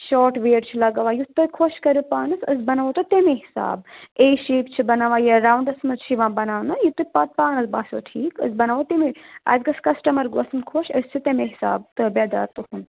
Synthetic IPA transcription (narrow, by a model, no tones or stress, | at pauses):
ʃɔːʈʋeːʈt͡ʃʰilɐɡɐʋaːjut̪ːɐkʰoʃkɐɾipaːɳɐsɐsbɐnaʋot̪ot̪emeɦisa̰ːb̚eiʃeːpt͡ʃʰibɐnaːʋaːjeɾaːwɳɖɐsmɐzʃʰiʋãːbɐnaːʋnɐjut̪ːupat̪̚paːnɐsbaːso̰ːʈʰiːkɐ̰sbɐnaʋot̪emiɐ̰zɡɐskɐsʈɐmɐɾɡosɐnkʰoʃɐst͡ʃʰit̪emeɦisa̰ːb̚t̪ɨbɐd̪a̰ːɾt̪uhun